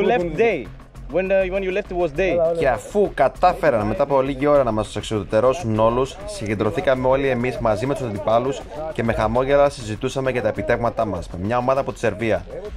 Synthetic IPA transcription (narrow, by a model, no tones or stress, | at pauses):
ulɛftd̪e | wɛ̃nw̃njulɛftwɔzdece̞ɐfukɐt̪ɐfe̞ɾɐnme̞t̪ɐːpoliʝio̞ɾɐnɐmɐst̪u̥seksoðit̪e̞ɾo̞suno̞lusːiɲɟend̪ɾo̞θikɐme̞o̞lie̞mizmɐzime̞t̪u̥sɐnd̪ipɐlusce̞me̞xɐmo̞ʝe̞ɾɐsizit̪usɐmecɐt̪ɐepit̪e̞vmɐt̪ɐmɐsme̞mɲɐo̞mɐðɐːpo̞t̪i̥se̞ɾviɐ